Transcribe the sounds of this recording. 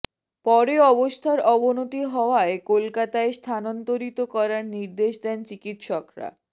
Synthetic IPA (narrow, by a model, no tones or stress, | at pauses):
pɔɾeɔbost̪ʰaɾɔbonot̪iɦɔoaekolkat̪aest̪ʰanɔnt̪oɾit̪okɔɾaɾniɾd̪eʃd̪ɛnt͡ɕikit̪ʃɔkɾa̰